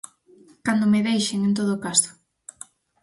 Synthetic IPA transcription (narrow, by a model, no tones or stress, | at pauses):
kand̪omeðejʃeŋẽnt̪̬oð̞okaso̥